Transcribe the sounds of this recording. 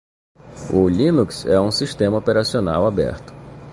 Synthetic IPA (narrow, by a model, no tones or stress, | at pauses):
ʊlĩnuksɛũsiʃt̪ẽmɐopeɾasiona̰wabɛ̰ɾt̪ʊ̥